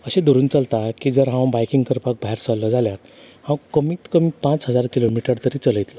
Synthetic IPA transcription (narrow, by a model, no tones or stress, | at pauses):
əɕẽd̪uɾuːnt͡səlt̪akiːd͡zəɾɦãwbajkiŋɡkəɾpak̚bʱaɦeɾsalːɔd͡zʱaljat̪ | hãw̃kəmiːt̪kəmiːpãt͡sɦəd͡zaɾkilomiʈəɾt̪əɾiːt͡sələjt̪lə